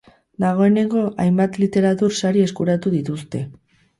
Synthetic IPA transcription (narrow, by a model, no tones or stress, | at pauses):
d̪aɣ̞o̞e̞ne̞ŋɡo̞ʔajmbat̪lit̪e̞ɾat̪uɾsaɾie̞skuɾat̪uðit̪ust̪e̞